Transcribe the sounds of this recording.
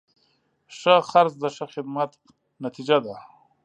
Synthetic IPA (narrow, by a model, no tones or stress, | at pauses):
ʂəxaɾzd̪əʂəxɪd̪mat̪ | nat̪id͡ʒad̪a